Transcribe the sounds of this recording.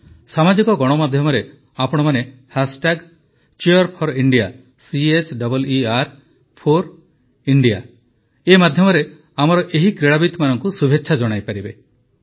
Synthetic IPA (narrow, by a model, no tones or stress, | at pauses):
samad͡ʒikɔɡɔɽ̃ɔmad̪ʱjɔmɔɾe | apɔɽ̃ɔmanehasʈaɡ | t͡ʃiɔɾpʰɔɾiɳɖija | siet͡ʃɖɔbɔliaɾ | pʰoɾ | iɳɖija | emad̪ʱjɔmɔɾe | amɔɾɔʔeɦikɾeɭabit̪manɔŋkusubʱetːʃʰad͡ʒɔɽ̃ajpaɾibe